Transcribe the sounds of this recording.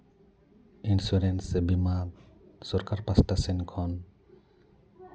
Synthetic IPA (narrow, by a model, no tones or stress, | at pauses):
insuɾensbiman | sɔɾkaɾpasʈasenkʰɔn